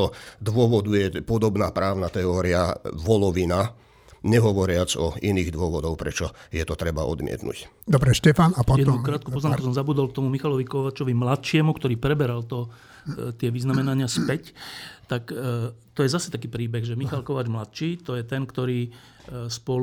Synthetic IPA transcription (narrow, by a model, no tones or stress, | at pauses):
ɔd̪ʋʊɔʋɔd̪ujɛpɔd̪ɔbnaːpɾaːʊnat̪ɛɔːɾia̰ʋɔlɔʋina | ɲɛɦɔʋɔɾɪad͡zɔiniːɣd̪ʋʊɔʋɔd̪ɔʊpɾɛt͡ʃɔjɛt̪ɔt̪ɾɛba̰ʔɔ̰d̪mɪɛ̰t̪nṵc | d̪ɔbɾɛʃcɛfanapɔjɛd̪nukɾaːt̪̚kupɔznaːmkk̪ɔs̬ɔmzabuːd̪ɔlk̚t̪ɔmumixalɔʋikɔʋaːt͡ʃɔʋimlat̪t͡ʃɪɛmukt̪ɔɾiːpɾɛbɛɾalt̪ɔ | t̪ɪɛʋiznamɛnaɲɪaspɛct̪akt̪ɔjɛzasɛ̥t̪akiːpɾiːbɛɣʒɛmixalkɔʋaːd͡ʒmlat̪t͡ʃiːt̪ɔjɛt̪ɛnkt̪ɔɾiː | spɔl